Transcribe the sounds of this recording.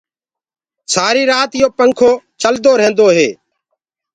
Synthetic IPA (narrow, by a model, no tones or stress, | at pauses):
saːɾiːɾaːt̪ɪjoːpəŋkʰoːt͡ʃəld̪oːɾẽːnd̪oːɦeː